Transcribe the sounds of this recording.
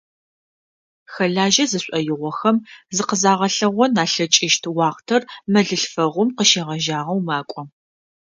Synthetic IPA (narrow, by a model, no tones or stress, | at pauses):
xɐɮaːʒɐzɨɕʷʼɔjɪʁʷɔxɐmzɨqəzaːʁɐɬɐʁʷɔnaːɬɐt͡ʃʼɪʃtʰwɑːʁtʰɐrmɐɮɨɬfɐʁʷʊmqəʃeːʁɐʒaːʁɐwmaːkʷʼɔ